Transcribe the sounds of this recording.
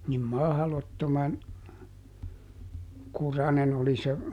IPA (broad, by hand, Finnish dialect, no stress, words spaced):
nim mɑhlotːomɑn kurɑnen oli se